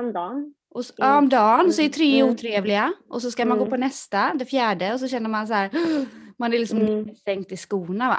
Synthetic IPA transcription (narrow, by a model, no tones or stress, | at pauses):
md̪ɑː | ɔɔmd̪ɑːnsɔɛt̪ʰɾeːuːt̪ʰɾeːvlɪaʔɔsɔskamanɡoːpʰɔnɛst̪ad̪ɛfjæːɖəɔs̬ɔɕɛnːəɾmansæːɾmanɛɾlɪksɔmst̪ɛŋkt̪ɪskuːnava̰